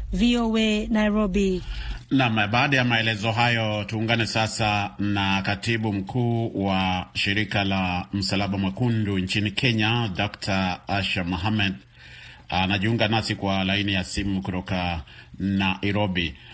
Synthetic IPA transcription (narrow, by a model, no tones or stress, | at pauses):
vioɛnajɾɔbinamɓaːɗajamaɛlɛzɔɦajɔtuːŋɡanɛsasanakatiɓum̩kʰuːwaʃiɾikalam̩salaɓamakunduɲt͡ʃinikʰɛɲadaktʰaaʃamɔɦamɛd | anaʄiuŋɡanasikwalainijasimukutɔka | naʔiɾɔɓi